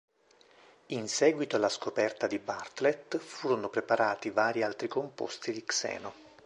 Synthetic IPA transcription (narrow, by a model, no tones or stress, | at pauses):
insɛːɡwit̪olaskopɛrt̪ad̪ibart̪let̪fuːɾonopɾepaɾaːt̪ivaːɾialt̪ɾikompo̰st̪id̪iksɛ̰ːno